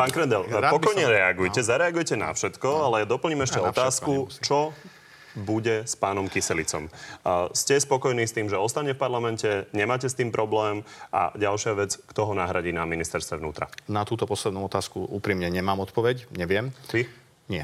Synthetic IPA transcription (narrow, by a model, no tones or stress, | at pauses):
paːnkɾɛnd̪ɛlpɔkɔjɲɛɾɛaɡujcɛzaɾɛaɡujcɛna̰fʃɛt̪kɔalɛjad̪ɔpl̩ɲiːmɛʃcɛɔt̪aːskkut͡ʃɔ | buɟɛspaːnɔmkisɛlit͡sɔ̰mscɛspɔkɔjniːst̪iːmʒɛɔst̪aɲɛfpaɾlamɛncɛɲɛmaːcɛst̪iːmpɾʔɔblɛːmʔa̰ɟalʃɪaʋɛd͡zkt̪ɔɦɔnaɦɾaɟiːnaminist̪ɛɾst̪ʋɛʋnṵːt̪ɾa̰nat̪uːt̪ɔpɔslɛd̪nuɔt̪aːskuuːpɾiːmɲɛɲɛmaːmɔt̪pɔʋɛcɲɛʋɪɛm | ɲɪɛ